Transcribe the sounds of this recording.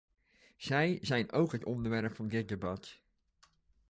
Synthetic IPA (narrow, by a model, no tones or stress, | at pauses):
z̥ɛjzɛjnowkɦətɔndəɹʋɛɹpfɑndɪt̚debɑt